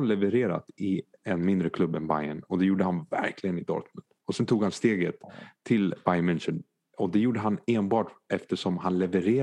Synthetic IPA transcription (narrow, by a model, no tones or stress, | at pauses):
lɛvəɾeːɾa̰t̪ɪɛnmɪnd̪ɾəkʰlɵbːɛnba̰jənɔd̪ɛjuːɖəhanvæ̰ɾkʰlɪɡənɪd̪ɑ̰ːɾk̪mʊnd̪ɔsɛnt̪ʰuːɡ̥hanst̪eːɡət̪ʰːɪlb̥ajnmɪnʃən | ɔd̪ɛjuːɖəɦaneːnbɑːʈɛft̪əʂɔmɦanlɛvəɾeː